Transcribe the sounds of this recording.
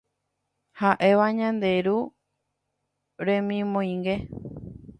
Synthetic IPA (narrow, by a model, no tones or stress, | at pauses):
haʔe̞ʋaɲãnd̪e̞ɾu | ɾẽmĩmõj̃ŋɡe̞